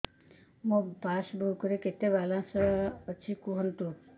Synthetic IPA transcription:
mõbasbʱɔɦukəɾeket̪ebalãsət͡ʃʰikuɦənt̪u

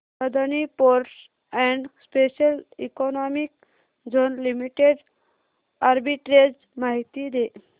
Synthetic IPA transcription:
səd̪ənipoɾʈs | ɛɳɖspesəlikɔnɔmik̚ | d͡zonlimiʈeɖ | aɾbiʈɾed͡z | maɦit̪id̪e

